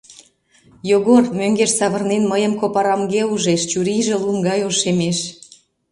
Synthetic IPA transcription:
joɣormøŋɡeʃsɑβərnenməjəmkopɑɾɑmɡeuʒeʃt͡ɕuɾiʒĕlumɡɑjoʃemeʃ

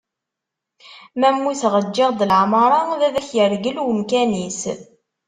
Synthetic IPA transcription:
mæmːusʁəd͡ʒːɪʁd̪əlʕmɾˤɑðæðæçjəɾɡəlwəmkænis

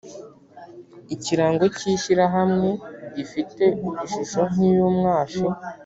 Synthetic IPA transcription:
iciɾaːŋɡo̞ciːɕiɾaɦamŋe̞ɟifite̞uβuʃuʃon̥ijumŋaːʃo

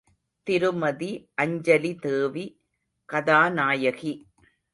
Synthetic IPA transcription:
t̪ɪɾɯmɐðiʔɐɲd͡ʒɐlit̪eːʋi | kɐðaːnaːjɐɣi

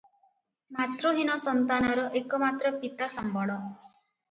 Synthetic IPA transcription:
mat̪ɾoɦinɔsɔnt̪anɔɾɔʔekɔmat̪ɾɔpit̪asɔmbʱɔɽɔ

